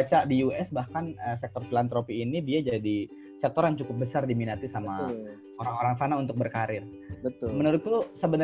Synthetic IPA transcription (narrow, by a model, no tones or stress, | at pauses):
at͡ʃaʔdijuʔɛsbahkanəsɛk̚t̪ɔrfilant̪ɾopiːnidiad͡ʒadi | sɛk̚t̪ɔrjaŋt͡ʃukʊp̚bəsardiminat̪isamma | oɾaŋoɾaŋsanaunt̪ʊk̚bərkaɾɪr | bət̪ʊmənuɾʊt̪t̪usəbənə